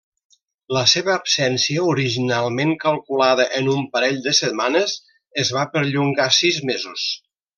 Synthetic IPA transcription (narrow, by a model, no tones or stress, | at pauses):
ləseβəːpsɛnsiəuɾiʒinalˠmeŋkəlˠkulaðəʔənumpəɾɛʎd̪əsət̪̚manəz | əzβapəɾʎuŋɡasizmezus